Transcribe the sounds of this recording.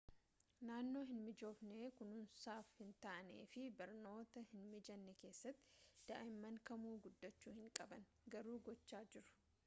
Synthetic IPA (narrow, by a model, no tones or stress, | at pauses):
naːnːo̞ːɦɪnmɪd͡ʒo̞ːfne̞ːkʊnʊnsaːfhɪnt̪ɐʔɐnḛːfɪbɐɾno̞ːt̪ɐhɪnmɪd͡ʒɐnːɛke̞ːsːɐt̪ːɪ̥d̪̥ɐ̰ʔɐɪmːɐŋkɐmuːɡʊd̪ːɐt͡ʃːuːhɪŋkʼɐbɐn | ɡɐɾuːɡɔt͡ʃːaːd͡ʒɪɾʊ̥